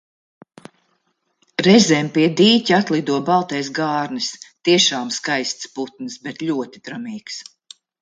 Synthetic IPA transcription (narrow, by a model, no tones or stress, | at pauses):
ɾɛzʲɛmpiɛd̪iːcʲat̪lˠid̪uɔbalˠt̪ɛːsɡaːɾnist̪iɛʃaːmskajst̪sput̪̚nɨsbet̪lʲuɔt̪id̪ɾamiːks